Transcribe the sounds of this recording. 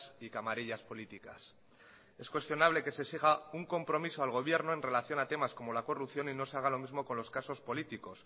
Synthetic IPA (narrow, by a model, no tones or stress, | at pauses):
sikamaɾiʎaspo̞lit̪ika̰s | e̞skwe̞st̪jo̞naβ̞le̞ke̞se̞siɣ̞auŋko̞mpɾo̞misoalɣ̞o̞β̞je̞ɾno̞e̞nre̞laθjo̞nat̪e̞masko̞mo̞lako̞rupθjo̞nino̞seaɣ̞alo̞mizmo̞konlo̞skaso̞spo̞lit̪iko̞s